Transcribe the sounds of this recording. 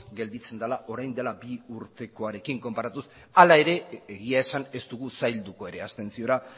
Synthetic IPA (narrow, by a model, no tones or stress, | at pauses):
ɡe̞ld̪it͡send̪alaʔo̞ɾajnd̪elabiuɾt̪e̞ko̞aɾe̞kiŋko̞mpaɾat̪us | alae̞ɾe̞eɣiae̞sane̞st̪uɣ̞usajld̪uko̞e̞ɾe̞ast̪e̞nsio̞ɾa